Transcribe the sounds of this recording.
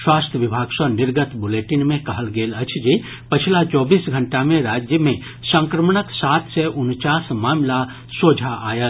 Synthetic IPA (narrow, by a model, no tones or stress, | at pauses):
swaːst̪ʰjəʋɪbʱaːɡsənɪɾɡət̪buleːʈinmẽkɐɦəlɡeːlət͡ʃʰd͡ʒi | pət͡ʃʰilat͡ʃɔːbiːsɡʱə̃ɳʈamẽɾaːd͡ʒjəmẽ | sə̃ŋkɾəmɳəksaːt̪ʰseʔʊnt͡ʃaːsmaːmla | soːd͡ʒʱaʔa̰ːjə